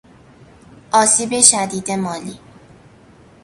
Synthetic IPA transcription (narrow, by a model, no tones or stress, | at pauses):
ʔɒːsiːbeʃæd̪iːd̪emɒːliː